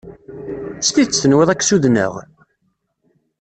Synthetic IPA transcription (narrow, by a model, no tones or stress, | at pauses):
sθit͡sːθənwiðˤækːsuðnə̰ʁ